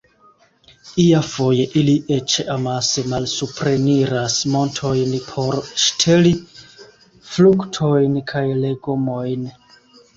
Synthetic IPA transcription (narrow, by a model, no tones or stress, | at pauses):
iafo̞je̞ʔiliʔet͡ʃeamasemalsupɾe̞niɾasmo̞ntʰo̞jnpʰo̞ɾʃtʰeli | fluktʰo̞jnkʰajle̞ɡomo̞jn